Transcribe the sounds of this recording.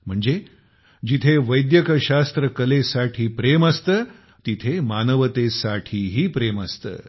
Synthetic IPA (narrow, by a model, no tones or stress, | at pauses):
m̤əɳd͡ze | d͡ʑit̪ʰeʋəjd̪jəkəɕast̪ɾəkəlesaʈʰiːpɾeməst̪əː | t̪it̪ʰemanəʋət̪esaʈʰiːɦiːpɾeməst̪ə̰ː